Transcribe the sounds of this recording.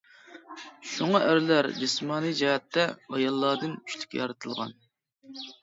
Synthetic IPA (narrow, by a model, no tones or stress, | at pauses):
ʃoŋɑʔæɾlæɾd͡ʒismɑːnijd͡ʒɛhɛt̪ʰːɛɑjɑlˠːɑːd̪ɨnʰy̥ʃlɪ̥kʲɛ̰jɑɾɨt̪ʰɨlˠʁɑ̰n